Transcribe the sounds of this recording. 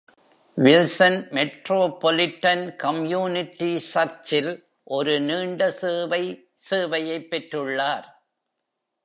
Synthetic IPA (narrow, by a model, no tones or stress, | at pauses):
ʋɪlsɐnmɛʈɾoːpːɔlɪʈːɐnkɐmjuːnɪʈːisɐɾt͡ʃɪl | ʔɔɾɯniːɳɖɐseːʋɐɪ | seːʋɐjɐɪpːɛʈrɯɭːaːɾ